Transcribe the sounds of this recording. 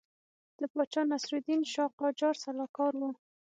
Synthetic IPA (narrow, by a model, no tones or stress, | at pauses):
d̪̥əpɑt͡ʃɑnasɾud̪inʃɑqɑd͡ʒɑɾsalɑkɑɾwu